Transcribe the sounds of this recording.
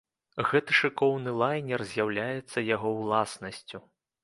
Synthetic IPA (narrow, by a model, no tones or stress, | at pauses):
ɣɛt̪ɨʂɨkɔwnɨlˠajnʲɛrzʲjawlʲajɛt̪sːɐjaɣɔwlˠasnɐsʲt͡sʲu